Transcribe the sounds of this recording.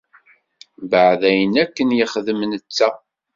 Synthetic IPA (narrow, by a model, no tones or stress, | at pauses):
bəʕðæjənækːənjəχðəmnət͡sːæ